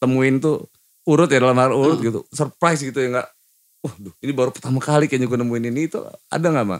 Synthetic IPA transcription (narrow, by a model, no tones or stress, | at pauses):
t̪əmuɪnt̪u | uɾʊt̪̚jadalamaɾauɾʊt̪̚ɡit̪ṵsərpɾajsɡit̪ujaŋɡaʔ | ahdʊhinibaɾupərt̪amakalikaaɲaɡunəmuɪninit̪ṵa̰daŋaʔma̰